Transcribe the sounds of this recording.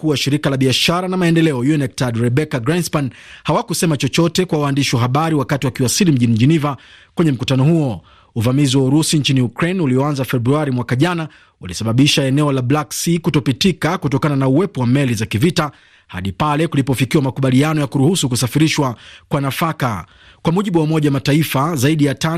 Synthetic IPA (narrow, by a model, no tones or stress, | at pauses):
kuwaʃiɾikalaɓiaʃaɾanamaɛndɛlɛɔjuɛnɛk̚tadɾɛɓɛkaɡɾanspan | hawakusɛmat͡ʃɔt͡ʃɔtɛkwawaːndiʃiwaɦaɓaɾiwakatiwakiwasilim̩ʄinid͡ʒinivakwɛɲɛm̩kutanɔhuɔ | uvamiziwauɾusint͡ʃiniukɾejnuliɔanzafɛbɾuaɾimwakaʄana | walisaɓaɓiʃaɛnɛɔlablaksikutɔpitikakutɔkananauwɛpɔwamɛlizakivita | ha̰ɗipalɛkulipɔfikiwamakuɓalianɔjakuɾuhusuk̬usafiɾiʃwakwanafaka | kwamuʄiɓuwamɔʄawamataifazaiɗijata